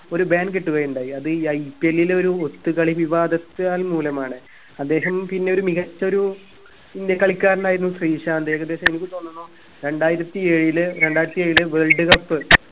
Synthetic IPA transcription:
o̞ɾubaːnɡeʈːuɣɐjuɳɖaːjiɐðɨɐjpːelːileo̞ɾuot̪ːukɐɭiʋiʋaːd̪ɐt̪ːɨaːlmuːlɐmaːɳɨ | ɐd̪ːe̞ːɦɐmpinːe̞o̞ɾumiɣɐt͡ɕːɐo̞ɾu | ind̪jɐkɐɭikʲːaːɾɐnaːjiɾunːusriːʂɐɐd̪eːɣɐd̪ːe̞ːɕɐme̞nikʲːɨt̪o̞ːnːunːoː | ɾe̞ɳɖaːjiɾɐt̪ːie̞ːɻilɨɾe̞ɳɖaːjiɾɐt̪ːieːɻilɨʋeːɭɖɨkɐpːɨ

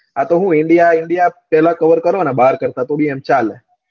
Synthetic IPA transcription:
at̪oɦũɪɳɖijaɪɳɖijapɛɦlãkəʋəɾkəɾoənɛbaɦaɾkəɾt̪at̪oɽiemt͡ʃale

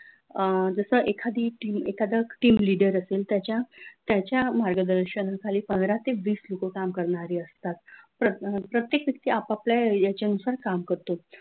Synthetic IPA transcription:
d͡zəsəʔekʰad̪iːʈimekʰad̪əkʈiːmliɽəɾəselt̪jat͡ɕjat̪jat͡ɕjamaɾɡəd̪əɾɕənakʰaliːpənd̪ɾat̪eʋiːslokokamkəɾɳaɾiːəst̪at̪pɾəpɾət̪jekʋjək̚t̪iːapaplajat͡ɕanusaɾkamkəɾt̪o

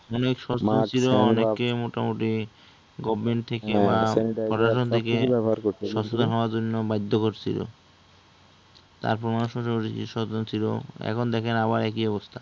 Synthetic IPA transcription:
ɔnekʃɔstat͡ɕʰiloɔnekːemoʈamoʈi | ɡɔbmeɳʈ̚t̪ʰekebapɔɾaʃont̪ʰekeaɾoʃɔsʰod̪anɦɔoaɾd͡ʑonːobajd̪ʱːokoɾt͡ɕʰḭlo̰ | t̪a̰ɾpɔɾmaoʃɔiiʃɔont͡ɕʰilo̰ɛ̰kʰond̪ɛkʰenaβaɾɛkiɔbost̪ʰa

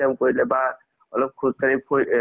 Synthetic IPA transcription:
amkoɹilɛba | ɔlɔb̚kʰuzkaɹipʰo

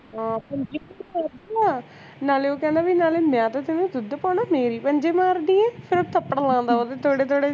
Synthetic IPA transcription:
ɦãːpəɲd͡ʒeːmaːɾd̪iaː | naːleːoːkɛ̃ːnd̪aːbinaːleːmɛ̃ːt̪aːt̪enũːd̪ʊd̪paːɳaːmeːɾiːpəɲd͡ʒeːmaːɾniːɛ̃ːpʰɪɾt̪əpːəɽlãːnd̪aːot̪eːt̪ʰoːɽeːt̪ʰoːɽeː

